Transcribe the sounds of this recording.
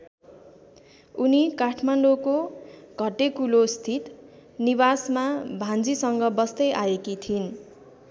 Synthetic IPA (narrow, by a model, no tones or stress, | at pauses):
unikaʈʰmaɳɖokoɡ̥ʱʌʈekulost̪ʰit̪nibasmabʱãnd͡zisʌŋɡʌbʌst̪ʌjʔaekit̪ʰin